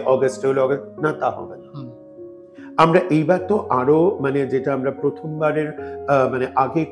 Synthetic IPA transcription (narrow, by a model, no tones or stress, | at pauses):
ʔɔɡasʈeoloɔɡasnat̪aɦɔ̰bena | amɾaʔejbaɾt̪oʔaɾomaned͡ʑeʈaamɾapɾot̪ʰombaɾeɾmaneʔaɡe